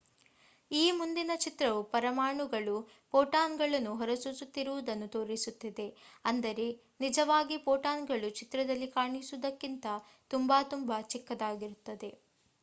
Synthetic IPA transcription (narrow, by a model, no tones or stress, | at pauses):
iːmund̪inɐt͡ʃit̪ɾɐʋupɐɾɐmaːɳuɡɐɭu | poːʈaːnɡɐɭɐnːuɦɔɾɐsusut̪ːiɾuʋud̪ɐnːut̪o̞ːɾisut̪ːid̪e̞ɐnd̪ɐɾe̞ | nid͡ʒɐʋaːɡipoːʈaːnɡɐɭut͡ʃit̪ɾɐd̪ɐlːikaːɳisud̪ɐkːint̪ɐ | t̪umbaːt̪umbɐt͡ʃikːɐd̪aːɡiɾut̪ːɐd̪e̞